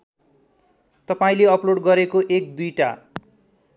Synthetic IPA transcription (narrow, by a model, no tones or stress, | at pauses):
t̪ʌpaĩleʌploɽɡʌɾekoʔek̚d̪ujʈa